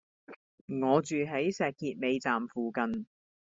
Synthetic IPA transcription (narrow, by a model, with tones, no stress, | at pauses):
ŋɔː˨˧t͡ʃyː˨ɦe˨˥jsɛː˨kːiː˧t̚me˨˧jt͡saː˨mfuː˨kɐ˨n